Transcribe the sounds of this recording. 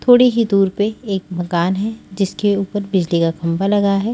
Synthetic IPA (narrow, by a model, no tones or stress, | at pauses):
t̪ʰoːɽiɦid̪uːɾpeeːk̚mɐkaːnɦɛd͡ʒɪskeuːpəɾbɪd͡ʒlikakɐ̃mbalɐɡaɦɛː